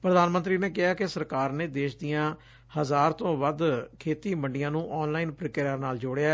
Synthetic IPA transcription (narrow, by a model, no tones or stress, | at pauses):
pɾəd̪aːnmə̃nt̪ɾiːneːkɪɦaːkɪsəɾkaːɾneːd̪eːʃd̪ijãː | həzaːɾt̪õːʋəd̪kʰeːt̪iːməɳɖɪjãːnũːʔɔːnlaːiːnpɾɪkːɾəːnaːld͡ʒoːɽeja